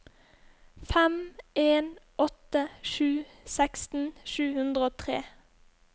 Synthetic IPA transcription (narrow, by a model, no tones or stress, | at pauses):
fæmeːnʔɔt̪əʃʉː | sækst̪n̩ʃʉːhʉnd̪ʁəoːt̪ʰʁḛː